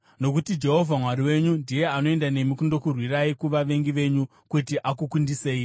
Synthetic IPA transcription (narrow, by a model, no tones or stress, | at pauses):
no̞k̬utid͡ʒe̞ɦo̞vʱamwaɾiwe̞ɲundije̞ano̞e̞ndane̞mikundo̞kurwiraikuʋaʋe̞ŋɡiʋe̞ɲu | kutiʔakukundiseːi